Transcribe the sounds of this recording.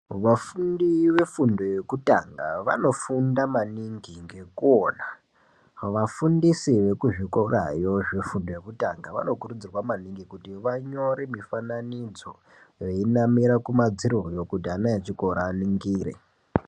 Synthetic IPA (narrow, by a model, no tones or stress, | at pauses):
ʋafundiʋe̞fundo̞je̞kuta̰ŋɡa̰ʋa̰no̞fundamaniŋɡiŋɡe̞kuona | ʋafundisiʋe̞kuʐikora̰jo̞ʐe̞fundoje̞kutaŋɡaʋa̰no̞kurud͡zirwamaniŋɡikutiʋaɲo̞ɾemifananid͡zo̞ | je̞inamiɾakumad͡ziɾojo̞kutianajat͡ʃikoɾaːniŋɡiːɾḛ